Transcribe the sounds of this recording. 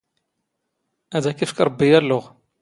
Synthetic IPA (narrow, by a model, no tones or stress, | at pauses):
ʔæd̪ækifkɾˤbːijælːʊʁ